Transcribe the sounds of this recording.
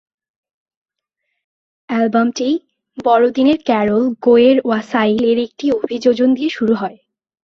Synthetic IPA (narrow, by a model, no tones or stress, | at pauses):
ɛlbamʈi | bɔɾod̪ineɾkɛɾolɡoeɾwasaileɾek̚ʈiobʱid͡ʑod͡ʑond̪ijeʃuɾuɦɔe